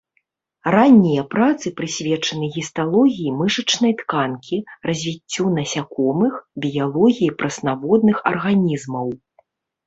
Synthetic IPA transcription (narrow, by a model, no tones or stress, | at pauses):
ranʲːijɐpɾat̪sɨpɾɨsʲvʲɛt͡ʂɐnɨɣʲist̪alˠɔɣʲijimɨʂɐt͡ʂnɐjt̪kankʲʰirɐzʲvʲit͡sʲːunɐsʲakɔmɨxbʲijalˠɔɣʲijipɾɐsnavɔd̪nɨxɐ̰rɣanʲizmɐw